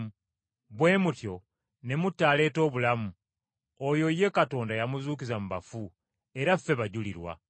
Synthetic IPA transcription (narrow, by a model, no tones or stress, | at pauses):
βwe̞ːmutjo̞ | ne̞mutːaːle̞ːto̞ːβulamu | ojo̞je̞kato̞ːndajamuzuːkizamuβafu | e̞ɾafe̞βaɟuliɾwa̰